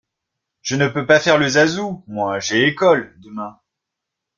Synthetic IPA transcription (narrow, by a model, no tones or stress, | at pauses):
ʒ̥ənəpøpafɛʁləzazumwaʒeːkɔld̪əmɛ̃